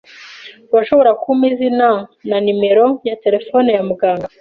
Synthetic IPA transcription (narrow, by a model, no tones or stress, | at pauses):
waʃo̞βo̞ɾakumizinananime̞ɾo̞jate̞ɾe̞fo̞ːnejamuɡaːŋɡa